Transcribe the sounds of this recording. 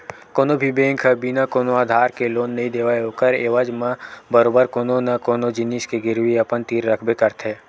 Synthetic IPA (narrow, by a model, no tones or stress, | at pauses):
koːnobʱibẽːŋkʰəbinakoːnoaːd̪ʱaːɾkeloːnːɐɦĩd̪eːʋaeoːkəɾeːʋəd͡ʒmãbəɾoːbəɾkoːnonɐkoːnod͡ʒɪniskeɡɪɾwiɐpənt̪iːɾːɐkʰbekɐɾt̪ʰeː